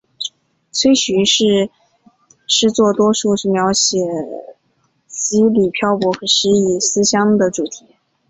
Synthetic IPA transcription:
t͡sʰwe˥ɪɕy˧˥ʂɻ̩˥˩ | ʂɻ̩˥˧t͡swɔ˥˩t̪wɔ˥ʂu˥˧ʂɻ̩˥˩mjɑ˧˥ʊɕjɛ˨˩ | t͡ɕi˥li˨˩pʰjɑ˥˩ʊpwɔ˧˥xɤ˧˥ʂɻ̩˧˥i˥˩sɹ̩˥ɕjɑ˥ŋd̪ə˨ʈ͡ʂu˨˩t̪ʰi̥˧˥

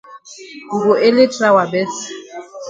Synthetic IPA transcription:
ŋɡʊ˨ʔe˦le˦tʼra˨wa˨bɛ˦s

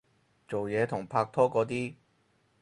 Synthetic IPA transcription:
t͡so˨wjɛː˨˧t̪ʰʊ˨˩ŋpʰaː˧k̚t̪ʰɔː˥kɔː˨˧˥t̪̬iː˥

